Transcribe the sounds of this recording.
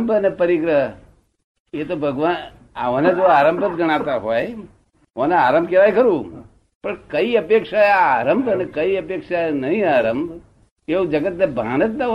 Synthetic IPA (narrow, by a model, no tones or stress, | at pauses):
mbʱənepəɾikɾə | et̪obʱəɡʋan | a̰ʋonet̪oaːɾəmbʱət̪̚ɡʱəɽ̃at̪aɦoj | ʋoneaɾəmbʱkeʋajkəɾũ | pəɳkəiəpekʂaeaɾəmbʱənekəiəpekʂaenəɦĩaɾəmbʱ | eũd͡ʒəɡət̪nebʱanət̪̚d̪a